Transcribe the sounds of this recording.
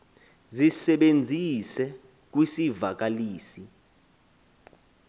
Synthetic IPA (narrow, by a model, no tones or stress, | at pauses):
zisɛɓend͡zʱisɛ | k̬wisivak̬aliːsi